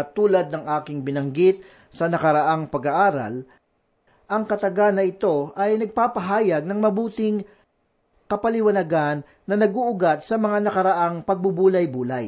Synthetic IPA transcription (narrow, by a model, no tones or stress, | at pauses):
t̪uːlɐd̪̚nɐŋʔaːkɪŋbɪnɐŋɡɪt̪̚ | sɐnɐkɐɾɐʔaŋpɐɡɐʔaːɾɐ̰l | ʔɐŋkɐt̪ɐɡanɐʔɪt̪o̞ʔɐjnɐɡ̚papɐɦaːjɐɡ̚nɐŋmɐbuːt̪ɪŋ | kɐpɐlɪwɐnɐɡanːɐnɐɡuʔʊɡat̪̚sɐmɐŋanɐkɐɾɐʔaŋpɐɡ̚bubuːlɐjbuːlɐj